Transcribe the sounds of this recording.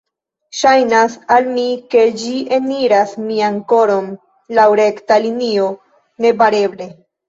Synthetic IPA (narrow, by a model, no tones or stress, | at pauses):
ʃajnasalmike̞d͡ʒieniɾasmiaŋko̞ɾo̞n | lawɾe̞ktalinio̞ | ne̞baɾe̞ble̞